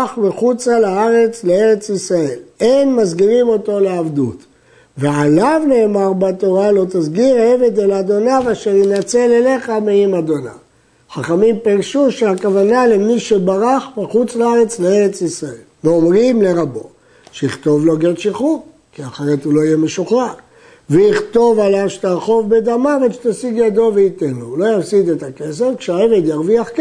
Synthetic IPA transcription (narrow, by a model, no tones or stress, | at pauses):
χmeχut͡salaaʁe̞t͡slee̞ʁe̞t͡sisʁae̞lenmazɡiʁimo̞t̪o̞leavd̪ut | vealavne̞ːmaʁbat̪o̞ʁalo̞t̪azɡiʁaeve̞d̪elad̪o̞naveaʃeʁjinat͡se̞lele̞χameimad̪o̞na̰ | χaχamimpiʁʃuʃeakavanalemiʃebaʁaχbeχut͡slaaʁe̞t͡sleeʁet͡sisʁaelveo̞mʁimle̞ʁabo̞ | ʃeiχt̪o̞vlo̞ɡeʃiχu | kiaχeʁetulo̞ijemeʃuχa | veiχt̪o̞valavʃe̥t̪aʁχo̞vbed̪amaveʃt̪asiɡjad̪o̞veit̪enlolo̞jafsid̪et̪ake̞s̬e̞fkʃeaeve̞d̪jaʁviaχk